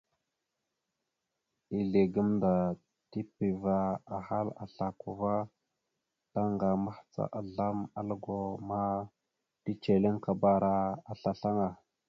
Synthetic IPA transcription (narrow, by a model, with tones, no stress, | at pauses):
i˨ɮe˨ɡə˦mnda˨ | ti˦pi˨va˨a˨ha˦la̰˨ɬa˨ku˨va˦ | ta˦ŋɡa˨ma˦ht͡sa̰˨ʔa˨ɮa˦ma̰˦lɡo˨ma˦ | ti˦t͡ʃe˨le˦ŋka˨ba˦ɾa˦a˨ɬa˨ɬa˦ŋa˨